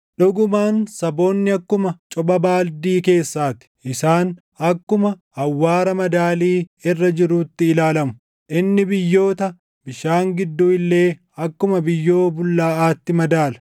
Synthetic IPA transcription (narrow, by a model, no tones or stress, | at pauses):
ᶑɔɡʊmaːnsɐbo̞ːnːɪɐkːʊmɐt͡ʃʼɔbɐbaːld̪iːke̞ːsːaːt̪ɪ̥ʔɪsaːn | ɐkːʊmɐ | ɐwːaːɾɐmɐd̪aːliːɪrːɐd͡ʒɪɾuːt̪ːɪːlaːlɐmʊ̥ | ʔɪnːɪbɪjːo̞ːt̪ɐ | bɪʃaːŋɡɪd̪ːuːɪlːe̞ː | ɐkːʊmɐbɪjːo̞ːbʊlːaːʔaːt̪ːɪmɐd̪aːlɐ̥